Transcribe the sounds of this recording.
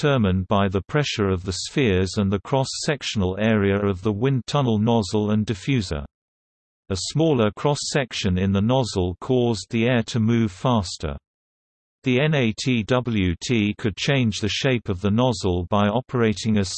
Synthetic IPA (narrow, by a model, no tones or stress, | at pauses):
ɜ˞mɨ̃nbaɪðəpʰɹ̥ɛʃə˞ʌvðɨsfɪɹzə̃nðɨkʰɹ̥ɑsɛkʃən̩əl̩ˠɛɹiɨɹʌvðəwɪ̃ntʰʌnl̩ˠnɑzl̩ˠə̃ndɨfjʉzə̰˞ | əsmɔlˠə˞kʰɹ̥ɒsɛkʃɨ̃nɪ̃nðənɑzəl̩ˠkʰɔzðiɛɹɾʰɨmʉv̥fæstʰə̰˞ | ðiɛ̃neɪtʰidʌbl̩ˠjʉtʰikʰɨd̚t͡ʃʰẽɪ̃nd͡ʒðɨʃeɪpʌvðənɑzl̩ˠbaɪɑpʰə˞eɪɾɪ̃ŋɨs